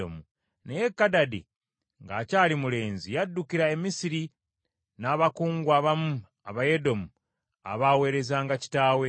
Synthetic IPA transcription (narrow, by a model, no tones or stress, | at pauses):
o̰mu | nejekːadadḭ | ŋɡaːcalimule̞ːnzijadːukiɾae̞misiɾi | naːβakuːŋɡwaːβamu | aβaje̞do̞mu | a̰βaːwe̞ːɾe̞zaːŋɡaci̥taːwe̞